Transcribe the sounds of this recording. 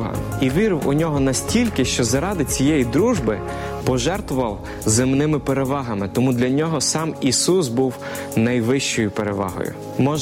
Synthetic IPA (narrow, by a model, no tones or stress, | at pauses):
ɦɐ̰iʋʲiɾɪwʊnʲɔɦɔnɐsʲtʲilʲkɪʃt͡ʃɔzɐɾɑd̪ɪt͡sʲijɛjid̪ɾuʒbɪ | pɔʒɛrt̪ʋʊʋɐw | zɪmnɪmɪpeɾeʋɑɦɐmɪt̪ɔmud̪lʲɐnʲɔɦɔsɑmisus̬buw | nɐjʋɪʃt͡ʃɔjʊpeɾeʋɑ̰ɦɔ̰jʊ̰ | mɔ